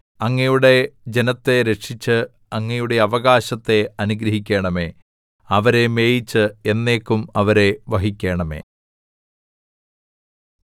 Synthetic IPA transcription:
ɐŋːɐjuɽe̞d͡ʑe̞nɐt̪ːe̞ɾe̞kʂit͡ɕːɨ | ɐŋːɐjuɽe̞ɐʋɐɣaːɕɐt̪ːe̞ɐnuɡɾɐɦikʲːeːɳɐme̞ː | ɐʋɐɾe̞me̞ːjit͡ɕːɨe̞nːe̞ːkːumɐʋɐɾe̞ʋɐɦikʲːe̞ːɳɐme̞̰ː

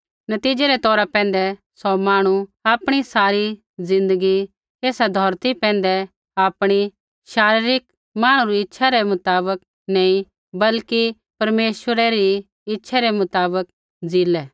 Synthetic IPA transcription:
nɐt̪iːd͡ʒɛɾɛt̪ɔːɾapɛ̃ːn̆d̪ɛ | sɔmaːɽ̃uaːpɽ̃isaːɾi | zɪ̃nd̪əɡi | eːsad̪ʱɔːɾt̪ipɛ̃ːnd̪ɛ | aːpɽ̃i | ʃaːɾiɾɪk | maːɽ̃uɾiɪtːʃʰaɾɛmʊt̪aːbək̚ | nɐ̃ːĩ | bɐlki | pɐɾmeːʃwəɾɛɾi | ɪtːʃʰaɾɛmʊt̪aːbək̚ | d͡ziːlɛː

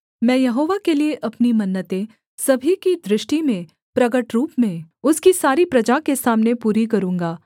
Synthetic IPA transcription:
mɛ̃ːjɐɦoːʋakelieʔɐpnimɐnːət̪ẽ | sɐbʱikid̪ɾɪʃʈimẽ | pɾɐɡəʈɾuːpmẽʊskisaːɾipɾɐd͡ʒakesaːmnepuːɾikɐɾũːŋɡaː

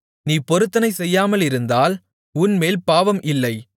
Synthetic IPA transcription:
niːpɔɾɯt̪ːɐnɐɪsɛjːaːmɐlɪɾɯnd̪aːl | ʊnmeːlpaːʋɐmʔɪlːɐɪ

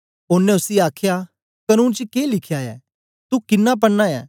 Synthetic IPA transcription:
ʊnːẽʊsiaːkʰja | kɐnũːnt͡ʃəkeːlɪkʰjaɛ̰ː | t̪ukɪnːap̬ɐɽnajɛ̰ː

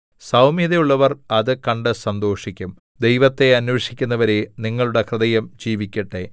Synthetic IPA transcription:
sɐwmiðɐjuɭːɐʋɐrɐðɨkɐɳɖɨsɐnd̪o̞ːʂikʲːum | d̪e̞jʋɐt̪ːe̞ɐnweʂikʲːunːɐʋɐɾeniŋːɐɭuɽekrɨðɐjɐmd͡ʑiːʋikʲːɐʈːe̞

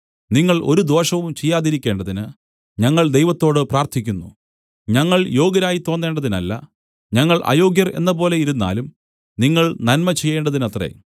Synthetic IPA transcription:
niŋːɐɭʔo̞̰ɾud̪o̞ːʂɐʋumt͡ɕejːaːðiɾikʲːe̞ːɳɖɐðinɨ | ɲɐŋːɐɭd̪e̞jʋɐt̪ːo̞ːɽɨpraːrt̪ʰikʲːunːṵ | ɲɐŋːɐɭjo̞ːɡɐɾaːjit̪oːnːeːɳɖɐðinɐlːɐ̰ | ɲɐŋːɐɭʔa̰ːjo̞ːɡjɐre̞̰nːɐpo̞ːlejiɾunːa̰ːlum | niŋːɐɭnɐnmɐt͡ɕejːe̞ːɳɖɐðinɐt̪rḛ

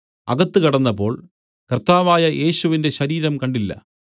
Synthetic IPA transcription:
ɐ̰ɡɐt̪ːɨkɐɽɐnːɐpːo̞ːɭ | kɐrt̪aːʋaːjɐʔe̞ːɕuʋinde̞ɕɐɾiːɾɐmkɐɳɖilːɐ̰

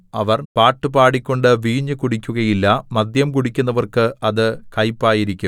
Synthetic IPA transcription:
ɐʋɐrpaːʈːɨbaːɽikʲːo̞ɳɖɨʋiːɲːɨkuɽikʲːuɣɐjilːɐmɐd̪jɐmkuɽikʲːun̪ːɐʋɐrkɨɐðɨkɐjpːaːjiɾikʲːum

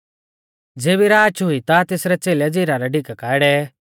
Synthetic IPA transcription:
d͡zeːbiɾaːt͡ʃʰɦʊit̪at̪eːsɾɛt͡seːlɛd͡ziːɾaɾɛɖʱɪkkaːɪɽɛ

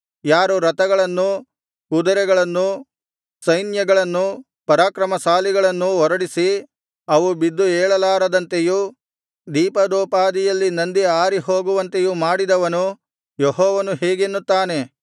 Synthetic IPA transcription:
jaːɾuɾɐt̪ɐɡɐɭɐnːu | kud̪ɐɾɛɡɐɭɐnːu | sɐjnjɐɡɐɭɐnːu | pɐɾaːkɾɐmɐsaːliɡɐɭɐnːuɔɾɐɽisi | ɐʋubid̪ːuɛːɭɐlaːɾɐd̪ɐnt̪e̞ju | d̪iːpɐd̪ɔːpaːd̪ijɐlːinɐnd̪iaːɾiɦo̞ːɡuʋɐnt̪e̞jumaːɽid̪ɐʋɐnu | jeɦɔːʋɐnuɦeːɡenːut̪ːaːne̞

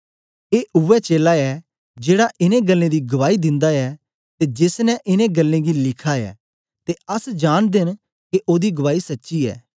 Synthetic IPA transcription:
eːʔʊʋɛt͡ʃeːlaɛː | d͡ʒeːɽaʔɪnẽɡɐlːẽd̪iɡɐʋaːid̪ɪ̃nd̪aɛ | t̪ed͡ʒɪsnɛʔɪnẽɡɐlːẽɡilɪkʰaɛ̰ː | t̪eɐsd͡ʒaːɽ̃d̪ɪn | keʔoːd̪iɡɐʋaːisɐtːʃiɛ̰ː

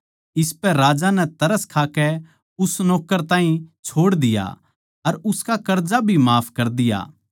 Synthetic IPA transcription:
ɪspɛɾaːd͡ʒanɛt̪ɐɾəskʰaːkɛ | ʊsnɔːkəɾt̪ãːɦĩt͡ʃʰoːɽd̪ɪja̰ | ɐɾʊskakɐɾd͡ʒabʱimaːpʰkɐɾd̪ɪja̰ː

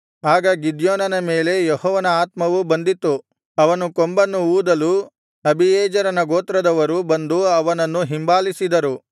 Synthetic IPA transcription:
aːɡɐɡid̪joːnɐnɐmeːle̞jehɔːʋɐnɐaːt̪mɐʋubɐnd̪it̪ːu | ɐʋɐnukombɐnːuuːd̪ɐlu | ɐbijɛːd͡ʒɐɾɐnɐɡoːt̪ɾɐd̪ɐʋɐɾubɐnd̪uɐʋɐnɐnːuɦimbaːlisid̪ɐɾu

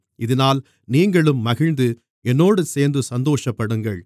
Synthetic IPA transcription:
ʔɪðɪnaːl | niːŋɡɐɭɯmːɐɣɪɻnd̪ɯ | ɛnːoːɽɯseːɾnd̪ɯsɐnd̪oːʂɐpːɐɽɯŋɡɐɭ

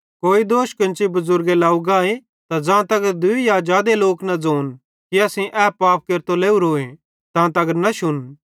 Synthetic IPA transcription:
koːid̪oːʃkɐ̃nt͡ʃibɐzʊɾɡelaːuɡaːe | t̪ad͡zãːt̪ɐɡəɾd̪ʊijaːd͡ʒaːd̪eloːknɐd͡zoːn | kiɐsĩʔɛːpaːp̚ʰkeɾt̪oleːuɾoːẽ | t̪ãːt̪̬ɐɡəɾnɐʃʊn

